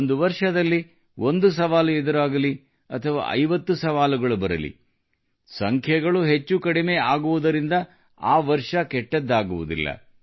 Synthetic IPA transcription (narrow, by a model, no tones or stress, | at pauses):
nd̪uʋɐɾʂɐd̪ɐlːi | ʔo̞nd̪us̬ɐʋaːluɛd̪ɐɾaːɡɐli | ɐt̪ʰɐʋa̰ːʔɐ̰jʋɐt̪ːusɐʋaːluɡɐɭubɐɾɐ̰lḭ | sɐŋkʰjɐɡɐɭuɦe̞t͡ʃːukɐɽimeːaːɡuʋud̪ɐɾind̪ɐ | aːʋɐɾʂɐkɛʈːed̪ːaːɡuʋud̪ḭlːɐ̰